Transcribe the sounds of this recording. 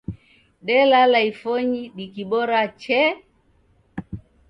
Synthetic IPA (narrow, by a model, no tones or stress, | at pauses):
ɗɛlalaifɔɲiɗikiɓɔɾat͡ʃɛ